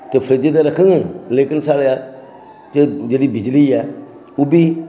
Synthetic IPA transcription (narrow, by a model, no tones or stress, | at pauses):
təfəɾəd͡ʒedɛɾəkɨŋəlekɨnsalja | t͡ʃəd͡ʒelibid͡ʒilia | ubi